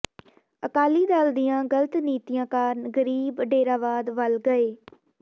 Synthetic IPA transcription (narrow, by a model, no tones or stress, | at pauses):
əkaːliːd̪aːld̪ijãːɡələt̪niːt̪ijãːkaːɾnɡəɾiːbɖeːɾaːʋaːd̪ʋəlɡəeː